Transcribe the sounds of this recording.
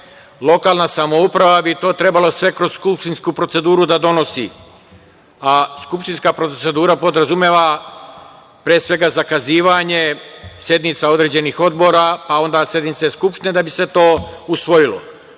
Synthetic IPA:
lˠo̞kaːlnasamo̞upɾaʋabit̪o̞ːt̪ɾe̞balˠosʋe̞kɾo̞zskupʃt̪inskupɾo̞t̪se̞d̪uːɾud̪ad̪o̞no̞sḭ | askupʃt̪inskapɾo̞se̞d̪uːɾapo̞d̪ɾazumje̞ʋa | pɾeːsʋe̞ɡazakaziːʋaɲe̞sje̞d̪nit̪sao̞d̪ɾe̞ːd͡ʑe̞nixo̞d̪bo̞ɾapao̞nd̪asje̞d̪nit̪saskupʃt̪ined̪abiset̪o̞ːusʋo̞jilo̰

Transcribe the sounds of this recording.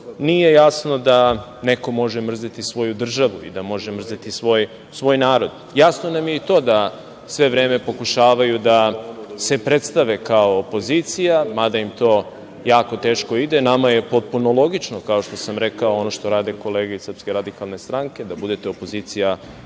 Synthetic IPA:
nije̞jasno̞d̪aneko̞mo̞ʒemr̩zat̪isʋo̞jud̪r̩ʒaʋuḭd̪amo̞ʒemr̩zat̪isʋo̞j | sʋo̞ːjnaːɾo̞d̪ | jasno̞namjeit̪o̞ːd̪a | sʋe̞ʋɾeːme̞po̞kuʃaːʋajud̪ase̞pɾet̪st̪aʋe̞kaoːpo̞zit̪sijamad̪aimt̪o̞ː | jaːko̞t̪e̞ːʃko̞id̪enamaje̞po̞t̪̚punolˠo̞ɡit͡ʃnokao̞ʃt̪o̞samɾekaoonoʃt̪o̞ɾaːd̪eko̞leːɡaisəɾpske̞ɾad̪ikalˠne̞st̪ɾaŋke̞d̪abud̪e̞t̪eopo̞zit̪sija

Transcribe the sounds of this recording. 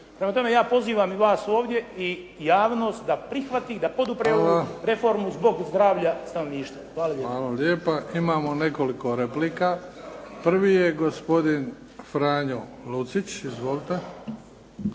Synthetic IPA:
pɾe̞mat̪o̞me̞jaːpo̞ziːʋamiʋaːsoːʋd̪je̞i | jaːʋno̞ːst̪d̪apɾixʋat̪iːd̪apo̞d̪upɾeaɾe̞fo̞ɾmuzbo̞ɡzd̪ɾaːʋʎast̪anoʋniːʃt̪ʋaxʋaːlaeaːlaleːpaʔimaːmone̞ko̞liko̞ɾepliːkapr̩ʋiːjeɡospo̞d̪in | fɾaːɲolut̪sit͡ɕizʋoːlit̪e

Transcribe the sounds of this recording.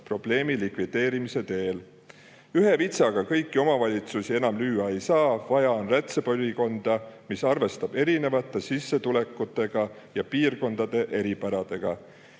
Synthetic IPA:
pro̞b̥le̞ːmilikvid̪̥e̞ːɾimise̞t̪e̞ːl | yɦe̞vit̪sɑɡ̥ɑkɤjkːˑio̞mɑvɑlʲit̪susie̞nɑmlyːɑe̞jsɑːvɑjɑo̞nræt̪seb̥olʲiko̞nd̪̥ɑmisɑrve̞st̪ɑb̥e̞ɾine̞vɑt̪ːˑe̞sisːe̞t̪ule̞kːˑut̪ːˑe̞ɡ̥ɑ | jɑpiːrko̞nd̪̥ɑd̪̥e̞ʔe̞ɾipæɾɑd̪̥e̞ɡ̥ɑ̰

